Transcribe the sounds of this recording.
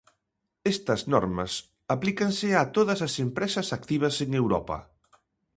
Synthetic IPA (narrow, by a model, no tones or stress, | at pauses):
est̪ɐznɔ̰ɾmɐ̰s | aplikɐnsɪat̪oðɐsɐsempɾɛsɐsak̚t̪iβ̞ɐseŋewɾɔ̰pɐ̰